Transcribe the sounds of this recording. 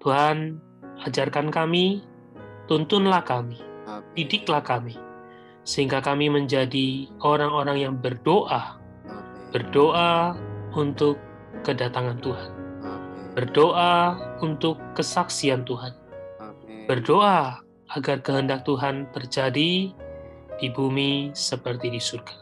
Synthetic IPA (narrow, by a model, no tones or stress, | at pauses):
t̪uɦan | ad͡ʒarkankami | t̪unt̪ʊnlahkamid̥idɪklahkami | səɦiŋɡakamiməɲd͡ʒadioɾaŋoɾaŋjaŋbərdoʔa | b̥ərdoʔaunt̪ʊkː | ədat̪aŋant̪uɦan | b̥ərdoʔaunt̪ʊkːəsaksiant̪uɦan | b̥ərdoʔa | aɡarkəɦəndak̚t̪uɦant̪ərd͡ʒadi | d̥ibumisəpərt̪idisurɡḁ